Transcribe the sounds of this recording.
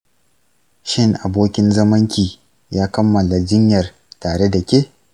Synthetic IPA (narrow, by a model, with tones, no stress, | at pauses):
ʃɪ˦ŋʔa˨boː˦kʲɪ˦nzɐ˦mɐ˦ŋkʲiː˨ | jaː˦kɐ˦mːɐ˨la˨d͡ʒɪ˦ɲjɐ˨r | taː˨ɽe˦da˨kʲeː˦